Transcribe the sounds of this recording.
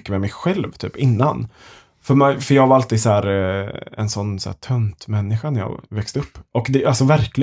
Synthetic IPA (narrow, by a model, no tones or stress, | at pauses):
kːəmɛmɛjɧɛlvt̪ʰy̰ːpɪnːa̰n | fœɾmɛfœɾjɑːɡvaɾalt̪iːd̪sæːɾ | ɛ̰nsɔnːsæ̰ːt̪ʰœnt̪mɛnːɪɧanæɾjɑ̰ːvɛkst̪əɵpːʔɔkd̪ɛʔalsɔvæɾklɪ